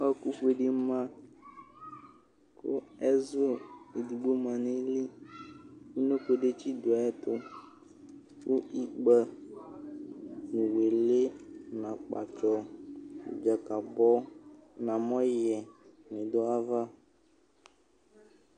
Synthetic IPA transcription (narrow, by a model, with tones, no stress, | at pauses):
ɔ˦ku˦ɸu˦e˨ɖe˦mã˦ | kʊ̰˦ɛ˦zo˦e˨d̪u˨ɡ͡bo˦mã˨nẽ˦li˦ | u˦nõ˦ɸo˦ɖe˦t͡ʃi˦d̪o˨a˨ɛ˦t̪ʊ˦ | wo˦i˨ɡ͡bə˦ | mũ˨we˨le˦nã˨k͡pa̰˨t͡ʃɔ̰˦˨ | d͡ʒa˨ka˨bɔ˦nã˨mɔ̃˦jɛ˨ | mĩ˨d̪ɔ˦a˦va˦